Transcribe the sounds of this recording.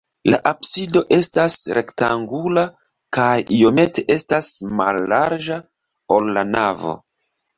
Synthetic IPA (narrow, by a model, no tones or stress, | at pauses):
la̰ʔabsido̞ʔe̞stasɾʔe̞ktaŋɡula | kajio̞me̞te̞ʔe̞stasma̰lːaɾd͡ʒa | o̞lːanavo̞̰